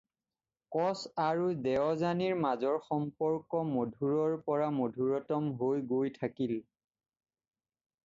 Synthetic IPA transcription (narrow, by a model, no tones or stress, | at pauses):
kɔsaɹudɛɔzaniɹmazɔɹxɔmpɔɹkɔmodʱuɹɔɹpɔɹamodʱuɹɔtɔmɦojɡojtʰakil